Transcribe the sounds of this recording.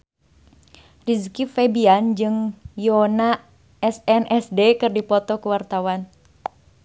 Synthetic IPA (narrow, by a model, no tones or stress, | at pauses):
riskifɛbiand͡ʒɨŋjɔna | ɛsɛnʔɛsdekɨrdipɔt̪ɔkuwart̪awan